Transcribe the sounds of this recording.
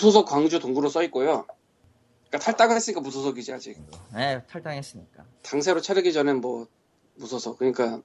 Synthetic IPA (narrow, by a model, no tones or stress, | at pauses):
sʰosʰʌk͈waŋd͡ʑutoŋɡuɾos͈ʌik͈ojo | ik͈atʰaɭt͈aɡɯɭɦes͈ɯmɲik͈amusʰosʰʌɡid͡ʑiad͡ʑik̚netʰaɭt͈aŋes͈ɯɲik͈a | taŋs̬ʰeɾot͡ɕʰaɾɯɡid͡ʑʌnɯnmwʌ | musʰʌsʰʌk͈ɯɲik͈a